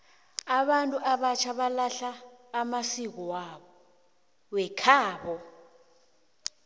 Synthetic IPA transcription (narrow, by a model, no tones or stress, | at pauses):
aɓantʼuʔaɓat͡ʃʰaɓalaɬaːmasik̬ɔwaɓɔ | wɛkʰaːɓɔ